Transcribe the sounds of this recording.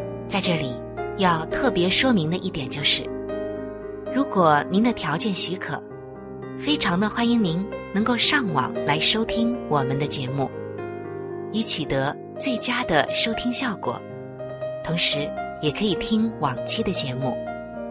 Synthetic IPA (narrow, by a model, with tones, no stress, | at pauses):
t͡sa˥˧ɪʈ͡ʂɤ˥˩li˨˩ | jɑ˥˧ʊt̪ʰɤ˥˩pjɛ˧˥ʂwɔ˥mi˧˥ŋd̪ə˧ʔi˥˩t̪jɛ˨˩nt͡ɕjo˥˧ʊʂɻ̩˥˩ | ɻu˧˥kwɔ˨˩ni˧˥nd̪ə˧t̪ʰjɑ˧˥ʊt͡ɕjɛ˥˩nɕy˧˥kʰɤ̰˨˩˦ | fe˥ɪʈ͡ʂʰɑ˧˥ŋd̪ə˧xwa˥ni˧˥ŋni˧˥nnɤ˧˥ŋko˥˧ʊʂɑ˥˩ŋwɑ̰˨˩ŋla˧˥ɪʂo˥ʊt̪ʰi˥ŋwɔ˨˩mə˦nd̪ə˧t͡ɕjɛ˧˥mu˥˩ | i˧˥t͡ɕʰy˨˩t̪ɤ˧˥ | t͡swe˥˩ɪt͡ɕja˥d̪ə̰˨ʂo˥ʊt̪ʰi˥ŋɕjɑ˥˩ʊkwɔ̰˨˩˦ | t̪ʰʊ˧˥ŋʂɻ̩˧˥jɛ˨˩kʰɤ˧˥i˨˩t̪ʰi˥ŋwɑ˨˩ŋt͡ɕʰi˥d̪ə˨t͡ɕjɛ˧˥mu˥˩